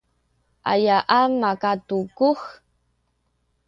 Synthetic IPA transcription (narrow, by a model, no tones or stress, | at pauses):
ʔa̰jaʔamakatukux